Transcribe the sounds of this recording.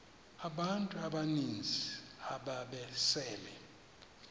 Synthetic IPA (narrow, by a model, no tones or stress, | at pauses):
aɓantʼuaɓanind͡zʱiaɓaɓɛsɛːlɛ